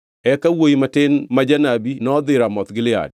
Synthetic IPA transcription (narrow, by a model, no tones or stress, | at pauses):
ɛkawojimatɪnmad͡ʒanabinɔd̪ɪɾamɔt̪ɡɪlɪa̰d̚